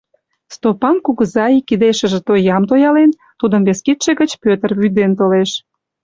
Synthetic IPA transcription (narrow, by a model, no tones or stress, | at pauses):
st̪opɑnkuɣəzɑikːid̪eʃə̆ʒĕt̪ojɑmt̪ojɑlen | t̪ud̪əmβeskit̪ʃĕɣət͡ɕpøt̪ərβyd̪ent̪oleʃ